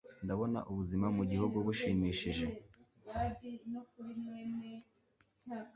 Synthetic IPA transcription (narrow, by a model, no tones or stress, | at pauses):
ndaβo̞na̰ʔuβuzimamuɟihub̚ɡoβuʃiːmiːʃiʒe̞ | waɾinokuɾimwene